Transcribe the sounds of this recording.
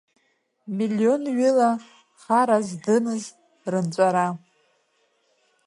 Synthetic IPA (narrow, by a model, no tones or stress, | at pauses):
milːionɥila | χaɾazdɨmɨz | rɨnt͡ʃʷʼaɾa